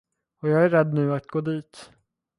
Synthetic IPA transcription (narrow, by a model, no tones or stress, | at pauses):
ɔjɑːɡæɾɛd̪nʉ̟ːat̪̚ɡoːd̪iːt̪